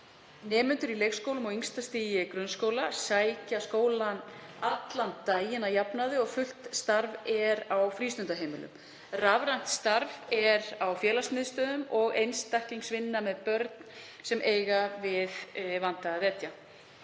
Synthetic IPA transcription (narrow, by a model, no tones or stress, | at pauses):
nɛːmʏnt̪ʏɾilejxskowlʏmɔɣiŋst̪ast̪iːjɪkɾʏnskoːwlasaːjcaskoːwlanat̪lant̪ːajɪnajapnaðɪɔɣfʏl̥t̪st̪aɾvɛɾawfɾiːst̪ʏnt̪aɦejmɪlʏ̰m | ravɾajn̥t̪st̪aɾvɛɾawfjɛːlasmɪðst̪œːðʏmɔɣejnst̪ahciŋsvɪnːamɛðpœɾt̪n | sɛmʔeːjɣavɪðvan̥t̪aaðɛt̪ja